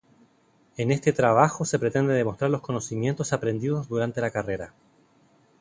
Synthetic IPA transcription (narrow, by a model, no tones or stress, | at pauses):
ene̞st̪et̪ɾaβaxo̞sepɾet̪e̞nd̪eðe̞mo̞st̪ɾaɾlosko̞nosimje̞nt̪o̞sapɾe̞nd̪ið̞o̞zðuɾant̪e̞lakare̞ɾa